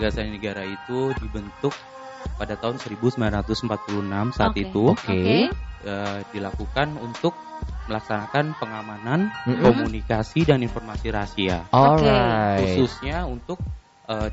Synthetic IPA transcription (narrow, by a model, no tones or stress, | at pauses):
ɡasannəɡaɾait̪udibənt̪ʊk̚ | padat̪aɦʊnsəɾibusəmbilanɾat̪ʊsəmpat̪̚pulunamsaat̪it̪uk | ədilakukanunt̪ʊk̚məlaksanakanpəŋamanankomunikasidaninfɔrmasiɾasiaoahususɲaunt̪ʊk̚ | ə